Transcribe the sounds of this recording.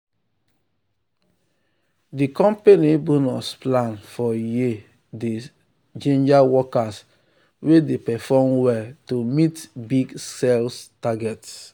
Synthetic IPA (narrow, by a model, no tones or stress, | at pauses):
dikɔ̃mpenibunusplãnfɔji | de | d͡ʒẽnd͡ʒawɔkas | wedepɛfɔmwɛltomitbiɡsɛlstaɡɛts